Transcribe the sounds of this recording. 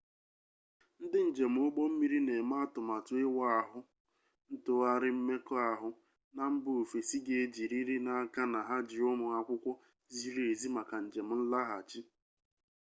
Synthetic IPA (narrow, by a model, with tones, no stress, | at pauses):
n̩˦dɪ˦n̩˨d͡ʒe˨m̩˦ʊ˦ɡ͡bɔ˦m̩˦mi˦ɾi˦ne˨ma˦a˦tʊ˨ma˨tʊ˨ɪ˦wa˦a˨ɦʊ˦ | n̩˦tʊ˨a˦ɾɪ˦m̩˦me˦kɔ˦a˨ɦʊ˦ | na˨m̩˦bʊ˦˨fe˨si˦ɡe˦˨e˦d͡ʒi˨ɾi˦ɾi˦na˨a˦ka˦na˨ɦa˦d͡ʒɪ˨ʊ˦mʊ˨ŋa˦kʷʊ˦kʷɔ˦ | zi˦ɾe˨zi˦ma˨ka˨n̩˨d͡ʒe˨m̩˨n̩˦la˦ɦa˨t͡ʃi˦